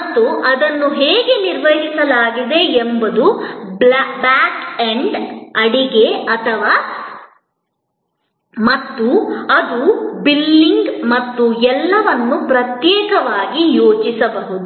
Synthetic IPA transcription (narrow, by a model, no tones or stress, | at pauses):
t̪ːuʔɐd̪ɐnːuɦɛːɡe̞niɾʋɐɦisɐlaːɡid̪e̞ːmbɐd̪ubbaːkeɳɖɐɽiɡe̞ɐt̪ʰɐʋaː | mɐt̪ːuɐd̪ubilːiŋɡmɐt̪ːuɛlːɐʋɐnːupɾɐt̪jɛːkɐʋaːɡijoːt͡ʃisɐbɐɦud̪u